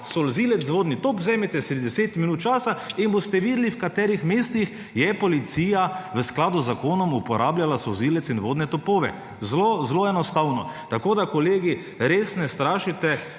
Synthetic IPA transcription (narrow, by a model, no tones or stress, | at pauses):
sɔlziːlɛzzʋoːd̪nit̪opzɛːmɛt̪ɛsɾid̪ɛseːt̪minuːt̪̚t͡ʃaːsainbost̪ɛʋiːd̪liwkat̪ɛːɾixmeːst̪ix | jɛpɔlit̪siːjaʋəsklaːd̪uzːakoːnɔmupɔɾʔaːbljalasɔlziːlɛt̪sinʋoːd̪nɛt̪ɔpoːʋɛ̰ | zlozloːɛnɔst̪awnɔt̪akoːd̪akɔleːɡi | ɾeːsnɛst̪ɾaːʃit̪ɛ